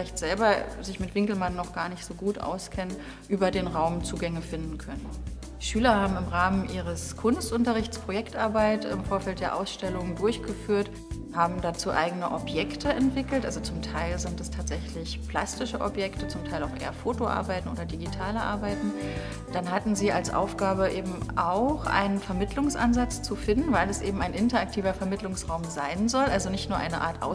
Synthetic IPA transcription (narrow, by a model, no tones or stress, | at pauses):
fɪlaɪçtz̥ɛlbɐzɪçmɪtv̥ɪŋkl̩mannːɔχɡ̥aːɐnɪçtz̥oːɡuːtʔa̰ʊskʰɛnən | ʔyːbɐdeːnʁaʊmt͡suːɡɛŋəfɪndn̩kʰœnən | ʃyːlɐhaːbm̩ɪmʁaːmənʔiːʁ̞əskʰʊnstʔʊntɐʁ̞ɪçt͡spʁ̥ojɛktʔaɐbaɪtɪ̰mfoːɐfɛlt̚d̥eːɐʔaʊsʃtɛlʊŋdʊɐçɡ̥əfyːɐt | haːbm̩dat͡suːʔa̰ɪɡənəʔɔpjɛktʰəɛntv̥ɪkl̩tʔa̰lzot͡sʊmtʰaɪlzɪntdɛstʰaːtz̥ɛçlɪçpl̥a̰stɪʃəʔɔ̰pjɛktət͡sʊmtʰaɪlaʊxʔḛːɐfoːtoʔa̰ɐbaɪtn̩ʔoːdɐdiɡitʰaːləʔa̰ɐbaɪtn̩ | d̥anɦatn̩ziːalsʔa̰ʊfɡ̥aːbəʔeːbm̩ʔa̰ʊxʔa̰ɪnənfɛɐmɪtʰlʊŋsʔa̰nzat͡st͡sufɪndn̩vaɪlɛsʔeːbm̩aɪnʔɪntɐak̚tʰiːvɐfɛɐmɪtlʊŋsʁaʊmzaɪnzɔlʔalzonɪçtnuːɐʔa̰ɪnəʔa̰ːɐtʔa̰ʊ